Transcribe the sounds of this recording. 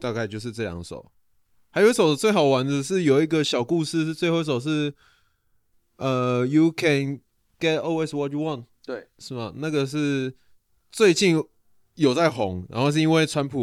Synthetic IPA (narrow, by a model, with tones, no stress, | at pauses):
t̪a˥˧ka˥ɪt͡ɕjo˥˧ʊʂ̬ɻ̩˥˧ʈ͡ʂɤ˥˩ljɑ̰˨˧˦ŋʂo̰˨˩˦ʊ | xa˧˥jo˧˥so˨˩ʊt͡swe˥˩ɪxɑ˨˩ʊwa˧˥nd͡zə˧ʂ̬ɻ̩˥˩jo˨˩ʊi˧˦˥ɡə˨ɕjɑ˨˩ʊku˥˧sɹ̩˥˧ʂ̩˥˧t͡swe˥˧xo˥˧˥so˨˩ʊʂ̬ɻ̩˥˧ | ə˨ju˨kʰɛ˨n | ɡ̥ɛ˥tɔ˥˧lwe˥˧swɔ˨t̚ju˨˧wɑ̃˥˨nt̪ | ʂɻ̩˥˩bɐ˩na˥˩ɡə˨ʂ̬ɻ̩˥˧ | t͡swe˥˧ɪt͡ɕi˥˩n | jo˨˩ʊt͡sa˥˩ɪxʊ˧˦ŋɻa̰˧˦nxo˥˧ʊʂ̬̩˥˩i˥nwe˥˩ɪʈ͡ʂʰwa˥npʰu˨˩